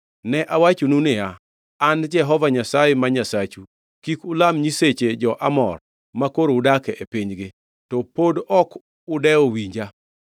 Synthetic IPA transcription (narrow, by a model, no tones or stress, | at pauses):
nɛʔawat͡ʃonunɪaː | nd͡ʒɛɦɔvaɲasajemaɲasat͡ʃu | kikʊlamɲiset͡ʃed͡ʒɔʔamɔr | makoɾoʊdakɛʔepiɲɡɪ | tɔpodɔk | ʊdɛowiɲd͡ʒa